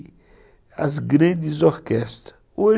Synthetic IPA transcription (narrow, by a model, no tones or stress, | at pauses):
ɐzɡɾɐ̃nd̪izoɾkɛst̪ɐ | o